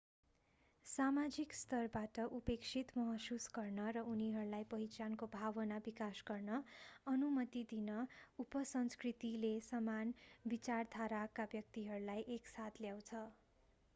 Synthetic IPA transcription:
samad͡zikst̪ʌrbaʈʌʔupeksʰit̪mʌɦʌsusɡʌrnʌɾʌuniɦʌɾulajpʌɦit͡sankobʱabʌnabikasɡʌrnʌʌnumʌt̪id̪inʌupʌsʌnskrit̪ilesʌmanbit͡sard̪ʱaɾakabjʌk̚t̪iɦʌɾulajʔeksat̪ʰljaw̃t͡sʰʌ

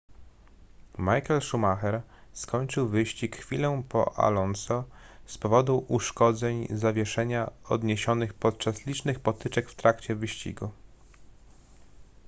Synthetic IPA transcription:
majkɛlʂumaxɛɾskɔɲt͡ʂɘwvɘɕt͡ɕikxfʲilɔ̃pɔ̰ʔa̰lɔnsɔ | spɔvɔd̪uʔuʂkɔd̪zɛɲzavʲjɛʂɛɲaɔd̪ɲeɕɔnɘxpɔt̪̚t͡ʂaslʲit͡ʂnɘxpɔt̪ɘt͡ʂɛkft̪ɾakt͡ɕɛvɘɕt͡ɕḭɡu

